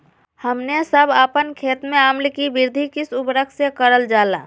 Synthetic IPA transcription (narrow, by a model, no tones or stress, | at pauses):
həmnesəbʱaːpənkʰeːt̪mẽaːmlkibɪɾd̪ʱikɪsʊpɾəkʰsekəɾəld͡ʒaːla̰ː